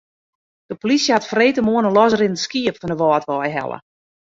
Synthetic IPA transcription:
d̥əpolisjəhatfreːtəmuənəlɔsərɪndəskiəpfɔndəʋɔːtʋɔjɦɛ̰lˠə̰

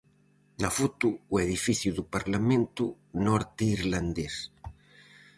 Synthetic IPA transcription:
nafut̪uːeðifiθjuðupaɾlamẽnt̪u | nɔɾt̪iɾland̪es

